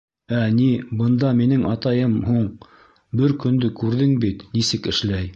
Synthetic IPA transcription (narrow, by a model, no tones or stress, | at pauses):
ænibɤ̆nd̪ɑminɘŋʔɑt̪ɑjɤmhuɴ | bɘɾkɵ̆nd̪ɵkʉɾðɘŋbit̪nisɘkɘ̆ʃlæj